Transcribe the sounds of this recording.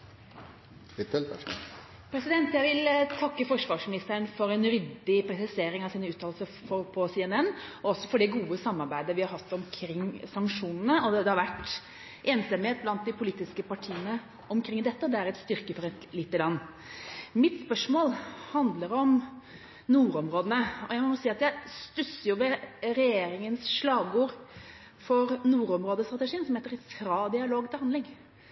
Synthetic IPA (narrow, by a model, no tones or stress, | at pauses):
ɪt̪ɛl | pʰɾɛsɪd̪ɛnt̪jæɪʋɪlt̪ʰɑkːəfɔʂʋɑːʂmɪnɪst̪əɳfɔɾɛnɾʏd̪ːɪpʰɾɛsɪseːɾɪŋɑʋsiːnəʉːt̪ʰɑːlsəɾfɔpʰɔsiɛnɛnːɔɔsːɔfɔɖɛɡuːəsɑmːɑɾbæɪd̪əʋɪhɑɾhɑt̪ːɔmkʰɾɪŋːsɑŋkʂuːnənəɔd̪ɛd̪ɛhɑɾʋæʈː | ʔeːnsɑmheːt̪̚blɑnt̪̚d̪ɪpʰʊliːt̪ɪskəpɑʈʰiːənə | ɔmkʰɾɪŋd̪ɛt̪ːəɔd̪ɛæɾɛt̪st̪ʏɾkəfɔɾɛt̪liːt̪ːəlɑnː | mɪt̪spœʂmoːlhɑnd̪ləɾɔm | nuːɾɔmɾoːd̪ənəɔjæɪmɔnuːsiːɑt̪jæɪst̪ʉsəjʊʋɛɾɛjeːɾɪŋənsʂlɑːɡuːɾ | fɔɾnuːɾɔmɾoːd̪əst̪ɾɑt̪əʂiːənsɔmheːt̪əɾɛt̪fʰɾɑːd̪ɪɑloːɡt̪ʰɪlhɑnd̪lɪŋ